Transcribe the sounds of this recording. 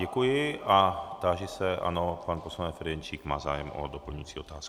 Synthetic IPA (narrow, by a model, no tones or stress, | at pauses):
ɛkujɪʔat̪aːʒɪsɛʔa̰nopanposlanɛfɛɾjɛnt͡ʃiːkma̰ːza̰ːjɛmʔo̰dopl̩ɲujt͡siːo̞t̪aːskɪ̥